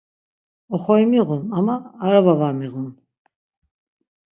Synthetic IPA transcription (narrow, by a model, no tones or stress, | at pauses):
ɔχɔimiʁunamaːɾavavaːmiʁun